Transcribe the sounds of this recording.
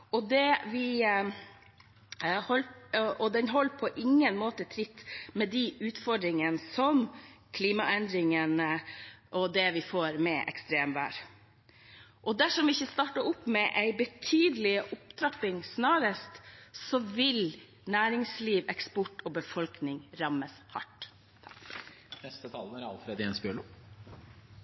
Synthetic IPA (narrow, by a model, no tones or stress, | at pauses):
ɔd̪ɛʋɪ | hɔlʔɔd̪ɛnɦɔlːpʰɔʔɪŋːənmoːt̪ət̪ʰɾɪt̪ːmɛd̪iʉːt̪fɔɖɾɪŋənsɔmkʰliːmɑʔɛnd̪ɾɪŋənəʔɔd̪ɛʋɪfoːɾmɛʔɛ̰kst̪ɾeːmʋæ̰ːɾ | ʔɔd̪æʂɔmʋɪɪçːəst̪ɑːʈəʊpːmɛʔæɪbət̪ʰyːd̪əlɪəʔʊpt̪ʰɾɑpɪŋsnɑːɾəst̪sɔʋɪl | næːɾɪŋsliːʋɛkspɔʈːɔbəfɔlknɪŋɾɑməshɑ̰ʈ | nɛst̪ət̪ʰɑln̩æɾɑ̰lfɾeːd̪ɪɛnsbjøɭu